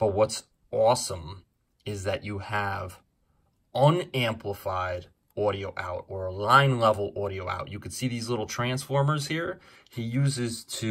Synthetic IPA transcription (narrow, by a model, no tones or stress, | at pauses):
b̥ʌt̚wʌts | ɔsə̃m | ɪzðɨt͡ʃɨɨv | ʌ̃næ̃mpʰləfaɪɾ | ɔɾioʊʔa̰ʊɾə˞əlãɪ̃nlɛvl̩ˠʔɔɾioʊa̰ʊʔɨkɨd̥siðizlɪɾl̩ˠtʰɹ̥æ̃nsfɔɹmə˞z̥hiɹ | hijʉzɪz̥tʰɨ